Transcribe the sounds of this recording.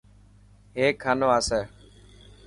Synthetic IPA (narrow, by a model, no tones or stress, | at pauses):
ɦeːkʰːaːnoːaːseː